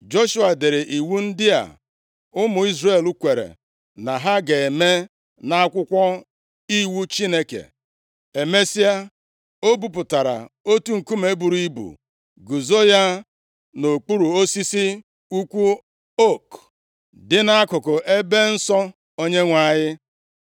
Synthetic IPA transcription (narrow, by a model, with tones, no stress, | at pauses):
d͡ʒo˦ʃu˦a˨de˨ɾe˨ʔi˨wu˦n̩˦dɪ˦a̰˨ | ʊ˦mʊ˨i˦zre˦˨lu˦kʷe˨ɾḛ˨ | na˨ɦa˦ɡe˨e˨me˦ | na˦a˦kʷʊ˦kʷɔ˦ | i˦wu˦t͡ʃi˦ne˦kḛ˨ | e˨me˦si˦a˦ | o˦bu˨p̬ʊ˨ta˨ɾa̰˨o˦tu˦ŋ̩˨ku˦me˦bu˨ɾi˦bṵ˨ | ɡu˨zo˦ja˦ | no˨k͡pu˦ɾu˨o˦si˦si˦ | u˦kʷu˦ | o˦˨k | dɪ˦na˦a˦kʊ˨kʊ˨ʔe˦be˦n̩˦sɔ˦ | o˦ɲe˦ŋʷa˦˨ɲɪ˦